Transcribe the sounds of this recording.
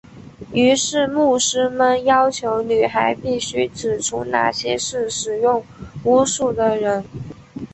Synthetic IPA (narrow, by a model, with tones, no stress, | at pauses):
y˧˥ʂɻ̩˥˧mu˥˩ʂɻ̩˥mə˧njɑ˥ʊt͡ɕʰjo˧˥ʊny˨˩xa˧˥ɪpi˥˩ɕy˥ʈ͡ʂɻ̩˨˩ʈ͡ʂʰu˥na̰˥˩ɕjɛ˥ʂɻ̩˥˩ʂɻ̩˨˩jʊ˥˩ŋu˥ʂu˥˩d̪ə˨˩ɻə˧˥n